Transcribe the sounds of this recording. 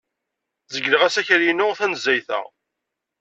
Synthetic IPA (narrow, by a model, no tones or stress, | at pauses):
zəɡːləʁæsæçɾjinːʊʁθænəzːæjθæ̰